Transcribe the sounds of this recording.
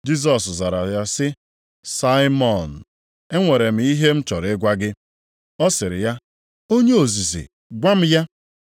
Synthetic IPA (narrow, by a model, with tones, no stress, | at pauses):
d͡ʒi˦s̬ɔ˨sza˨ɾa˨ja˦sɪ˦ | sa˦ɪ˦mɔ˨n̩˨ | e˦ŋʷe˨ɾe˨m̩˨i˦ɦe˦m̩˦t͡ʃɔ˨ɾɪ˦ɡʷa˦ɡɪ˦ | ɔ˦sɪ˨ɾɪ̰˨ja˦ | o˦ɲe˦o˨zi˨zḭ˨ | ɡʷa˦m̩˦ja˦